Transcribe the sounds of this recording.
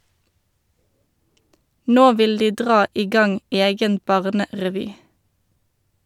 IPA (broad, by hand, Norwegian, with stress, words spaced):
ˈnoː ˈʋɪl ˈdiː ˈdʁɑː ˈiː ˈɡɑŋ ˈeːɡən ˈbɑʁnəʁɛˌʋyː